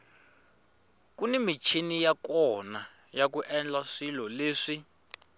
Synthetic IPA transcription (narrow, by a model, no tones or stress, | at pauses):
kunimit͡ʃʰinijakɔna | jak̬uʔɛnd͡ɮaʂilɔleːʂi